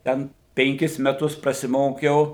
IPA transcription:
ˈtʲɛn pʲɛŋʲˈkʲɪs mʲɛˈtʊs prɐsʲɪˈmoːkʲɛʊ

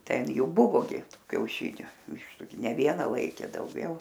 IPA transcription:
ˈtʲɛn ˈjuː ˈbʊʋoː ɡʲɪ ˈtuː kʲɛʊˈʃʲɪnʲʊ ˈʋʲɪʃtʊ ɡʲɪ nʲɛ ˈʋʲiɛnɐ ˈlˠɐɪkʲeː dɐʊˈɡʲɛʊ

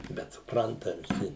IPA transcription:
bʲɛt sʊpˈrɐntɐ ʋʲɪˈsʲɪ

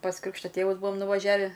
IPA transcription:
pɐs ˈkrʲɪkʃtoː ˈtʲeːʋʊs ˈbuɔm nʊʋɐˈʒʲæːʋʲɪ

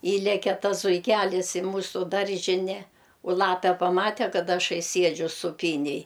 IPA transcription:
ˈiːlʲɛkʲɛ ˈtɐs zʊɪˈkʲælʲɪs ɪ ˈmuːsʊ ˈdɐrʲʒʲɪnʲɛ ʊ ˈlˠɑːpʲɛ pɐˈmɑːtʲɛ ˈkɐt ˈɑːʃɐɪ ˈsʲiɛd͡ʒʲʊ sʊˈpʲiːnʲeːj

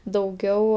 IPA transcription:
dɐʊˈɡʲɛʊ

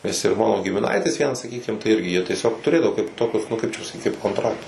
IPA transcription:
nʲɛs ɪr ˈmɑːnoː ɡʲɪmʲɪˈnɐɪtʲɪs ˈʋʲiɛnɐs sɐˈkʲiːkʲɪm tɐɪ ˈɪrʲɡʲɪ jiɛ tʲiɛˈsʲoːk tʊˈrʲeːdɐʋoː kɐɪp ˈtoːkʲʊs nʊ ˈkɐɪp t͡ʃʲɛ pɐsɐˈkʲiːt kɐɪp koːnˈtrɑːktʊs

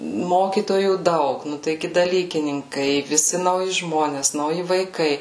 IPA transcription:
ˈmoːkʲiːtoːjuː ˈdɐʊk ˈnʊ tɐɪˈɡʲɪ dɐˈlʲiːkʲɪnʲɪŋkɐɪ ʋʲɪˈsʲɪ nɐʊˈjɪ ˈʒmoːnʲɛs nɐʊˈjɪ ʋɐɪˈkɐɪ

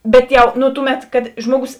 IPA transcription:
ˈbʲɛt jɛʊ ˈnʊ ˈtʊˌmʲɛt kɐt ˈʒmuɔˌɡʊs

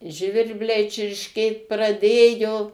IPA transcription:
ˈʒʲʋʲɪrʲbʲlʲɛɪ t͡ʃʲɪrʲʃʲˈkʲeːt prɐˈdʲeːjoː

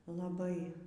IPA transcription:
lˠɐˈbɐɪ

